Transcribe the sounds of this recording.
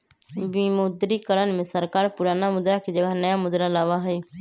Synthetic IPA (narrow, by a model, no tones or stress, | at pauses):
bimʊd̪ɾiːkəɾənmẽːsəɾkaːɾpʊɾaːnamʊd̪ɾaːkid͡ʒəɡanəjaːmʊd̪ɾalaːʋaɦəiː